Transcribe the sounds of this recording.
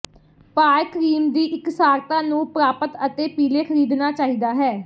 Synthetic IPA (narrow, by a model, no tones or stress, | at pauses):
paːjkʰɾiːmd̪iːʔɪksaːɾt̪ãːnũːpɾaːpət̪ət̪eːpiːleːkʰəɾiːd̪naːt͡ʃaːɦiːd̪aːɦɛː